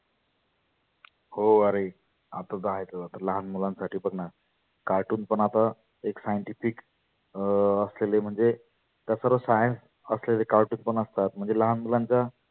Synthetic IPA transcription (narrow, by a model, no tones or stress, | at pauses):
hoəɾe | a̰t̪ad̪aaɦejt̪əbat̪əɾləɦanmulãnsaʈʰiːpəɡna | kaɾʈuːnpəɳat̪a | eksajəɳʈifik | əslelem̤əɳd͡ze | t̪jasəɾʋəsajə̃ns | əslelekaɾʈuːnpəɳəst̪at̪m̤əɳd͡zeləɦanmulaɲt͡sa